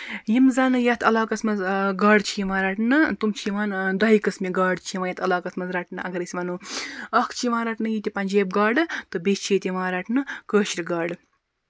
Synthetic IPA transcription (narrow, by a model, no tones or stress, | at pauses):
jimzɐnɨjɐt̪ʰɐlaːkɐsmɐzɡaːɽt͡ʃʰijiʋaːɾaʈnɨt̪umt͡ʃʰiiʋaːnd̪ɐikɐsmiɡaːɽt͡ʃʰiiʋaːjɐt̪ʰɐlaːkɐsmɐzɾaʈnɨʔɐɡɐɾisʲʋɐːnuɐkʰt͡ʃʰiʋaːɾaʈnɨjit̪ʲipɐnʲd͡ʒeːb̚ɡaːɖɨt̪ɨbist͡ʃʰijit̪ʲiʋãːɾɐʈnɨkəːʃiɾiɡaːɖɨ